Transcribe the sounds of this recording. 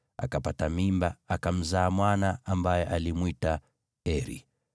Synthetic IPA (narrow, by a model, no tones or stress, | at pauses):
a̰kapatamimbaakam̩zaːmwanaambajɛʔalimwita | ɛɾḭ